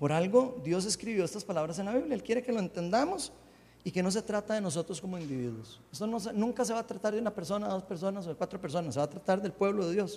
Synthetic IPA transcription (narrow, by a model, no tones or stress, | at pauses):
po̞ɾalɡo̞d̪jo̞s̬e̞skɾiβjo̞est̪aspalaβɾas̬enlaβiβljaelkje̞ɾeke̞lo̞ent̪e̞nd̪amo̞s | ike̞no̞s̬e̞t̪ɾat̪aðenos̬o̞t̪ɾosko̞moind̪iβiðwosest̪onos̬enũŋkas̬e̞βaːt̪ɾat̪aɾðunape̞ɾso̞naðospeɾso̞nas̬okwat̪ɾo̞pe̞ɾs̬o̞nasːeβat̪ɾat̪aɾðe̞lpwe̞βloðe̞ðjo̞s